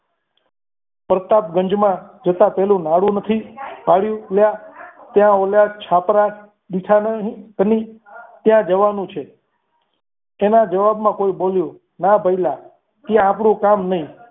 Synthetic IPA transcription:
pɾət̪ap̚ɡəɲd͡ʒmãd͡ʒət̪ãpɛɦlũnaɽũnət̪ʰipaɽjũljat̪jãoljat͡ʃʰapɾa | ɗ̪iʈʰanəɦikənit̪jãd͡ʒəʋanũt͡ʃʰe | enad͡ʒəʋabmãkoiboljũ | nabʱəila | k̪jãːpɽũkamnəɦĩ

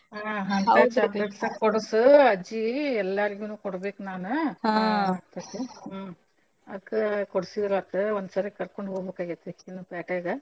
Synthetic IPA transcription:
aɦɐnat͡ʃaɡleʈsɐkɔɽɐsuɐd͡ʒiɛlːaɾiɡuːnuːkɔɽbeːkunaːnu | aːɡt̪ɐt̪ːe | ɐd̪kːekɔɽsid̪iɾuɐt̪eond̪usɐɾekɐɾkoɳɖɦoːɡbekaːɡɐt̪ːeinːupaːʈeːɡɐ

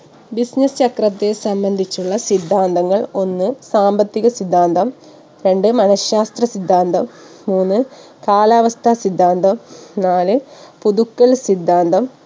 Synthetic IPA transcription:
bisnɐst͡ɕɐkrɐt̪ːe̞sɐmbɐnd̪ʱit͡ɕːuɭːɐsid̪ʱːaːnd̪ɐŋːɐɭo̞nːɨsaːmbɐt̪ːiɣɐsid̪ʱːaːnd̪ɐm | ɾe̞ɳɖɨmɐnɐɕaːst̪rɐsid̪ʱːaːnd̪ɐmː | uːnːɨ | kaːlaːʋɐst̪ʰɐsid̪ʱːaːnd̪ɐmnaːlɨpuðukːɐlsid̪ʱːaːnd̪ɐm

